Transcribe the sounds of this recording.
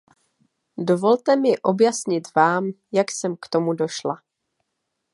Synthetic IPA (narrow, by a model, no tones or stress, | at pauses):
do̞vo̞lt̪ɛmɪʔo̞bjasɲɪt̪vaːm | jaksɛmkt̪o̞mudo̞ʃla